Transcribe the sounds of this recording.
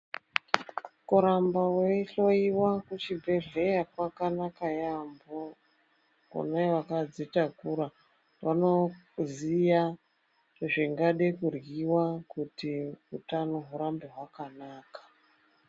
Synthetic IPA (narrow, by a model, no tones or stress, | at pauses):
kuɾambaweɬo̞iwakut͡ʃibʱe̞ɮe̞jakwakanakajambo | kṵnawakad͡zitakuɾa | wano̞ | zija | ʐiŋɡaɗekurɣiwakutiutanoɦuɾambeɦwakanaːkḁ